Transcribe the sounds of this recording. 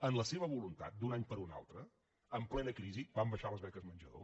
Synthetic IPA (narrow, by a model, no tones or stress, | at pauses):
ənləseβ̞əβulunt̪a̰t̪̚d̪unaɲpəɾuna̰lˠt̪ɾə | əmplɛnəkɾizibambəʃaləzβɛkəzmənd͡ʒəðo̰